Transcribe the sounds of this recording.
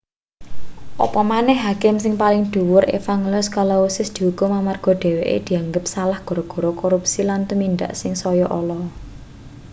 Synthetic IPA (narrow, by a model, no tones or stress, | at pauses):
ʔɔ̰pɔmanɛhɦakɪmsɪŋpalɪŋd̪̥ṳwʊɾḛfaŋlʊskalɔusɪsd̪̥i̤ɦukʊmamarɡ̥ɔ̤ɖ̪̥e̤weʔḛd̪̥i̤aŋɡəp̚salahɡ̥ɔ̤ɾɔɡ̥ɔ̤ɾɔkoɾupsilant̪umind̪a̰ʔsɪŋsɔjɔʔɔlɔ